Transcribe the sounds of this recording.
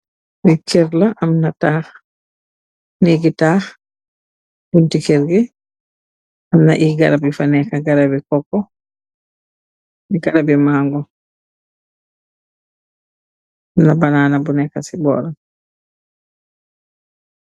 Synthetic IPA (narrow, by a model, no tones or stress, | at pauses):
wɛkɛɾlaʔamnataːx | niɡitaːx | b̥untikɛɾɡɛ | ʔamnaʔiɡa̰ɾabifanɛkaɡaɾabɛkɔkːɔ | iɡaɾabɛmaŋɡɔ | amnabanaːnabunɛkasibɔ̰ːɾa